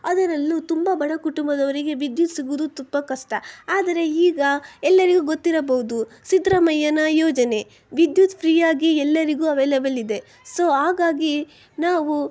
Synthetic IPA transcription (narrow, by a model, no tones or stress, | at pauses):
ɐd̪ɐɾɐlːut̪umbɐbʱɐɭɐkuʈumbɐd̪ɐʋɐɾiɡe̞ʋid̪jut̪siɡud̪ut̪ubːɐkɐʂʈɐaːd̪ɐɾe̞iːɡɐɛlːɐɾiɡuɡo̞t̪ːiɾɐbɐɦud̪usid̪ɾɐmɐjɐnɐjoːd͡ʒɐne̞ | ʋid̪jut̪pʰɾiːjaːɡiɛlːɐɾiɡuːɐʋeːlɐbɐlid̪e̞ | so̞ːɦaːɡaːɡi | naːʋu